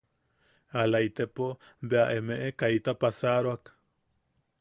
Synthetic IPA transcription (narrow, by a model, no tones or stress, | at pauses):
alait̪epobeaʔemeʔekait̪apasaɾoak